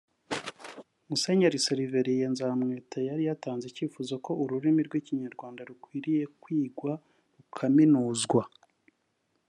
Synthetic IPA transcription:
muse̞ɲaɾiseɾive̞ɾijenzaːmŋeːtʰajaɾijataːnzeciːfuːzako̞uɾuɾimiɾɡwiːciɲaɾɡwaːndaɾukwiːɾije̞kwiːɡwa | ukʰaminuːzɡwa

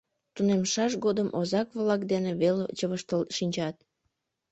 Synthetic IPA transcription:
t̪unemʃɑʃɡod̪əmʔozɑkβlɑkd̪eneβelt͡ɕəβəʃt̪əlʃinʲt͡ɕɑt̪̚

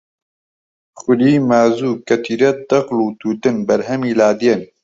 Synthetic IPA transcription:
xʊliːmaːzuːkɛt̪ʰiːɾɛd̪ɐqluːt̪uːt̪ɨnbɐɾɦɛmiːlaːd̪ijen

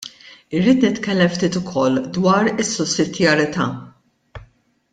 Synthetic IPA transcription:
ɪɾːiːt̪nɪt̪kɛlːɛmft̪iːt̪ʊkʰɔlːd̪wɐːɾɪsːʊsːɪd̪jɐɾɪt̪ɐ̰ː

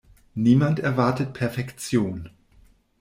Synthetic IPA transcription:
niːmantɛɐvaɐtət̚pʰɛɐfɛkt͡sjoːn

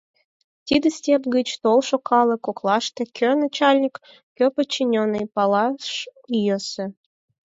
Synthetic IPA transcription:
t̪ʲid̪əsʲt̪ʲepɡət͡ɕt̪olʃokʰɑlə̆koklˠɑʃt̪əkʲʰørnat͡ɕɑlʲnʲik | kʲøpət͡ɕːinʲonːɨjpɑlɑʃjəsə

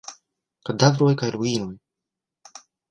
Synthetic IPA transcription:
kad̪avɾɔjkajɾuiːnɔj

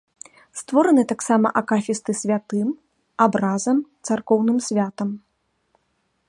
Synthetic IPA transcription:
st̪vɔɾɐnɨt̪aksamɐ̰ʔakafʲist̪ɨsʲvʲat̪ɨm | abɾazɐmt̪sarkɔwnɨmsʲvʲat̪ɐm

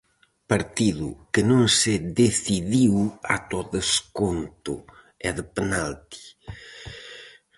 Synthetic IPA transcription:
paɾt̪iðṵkənõŋseðeθiðiwa̰t̪ɔðeskont̪ʊ̰ | ɛðəpenalt̪i̥

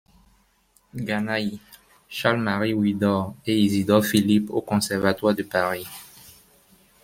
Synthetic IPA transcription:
ɡanaj | ʃalmaʁiwid̪ɔʁeizid̪ɔʁfilipo̰kɔ̃sɛʁvat̪waʁd̪əpaʁi

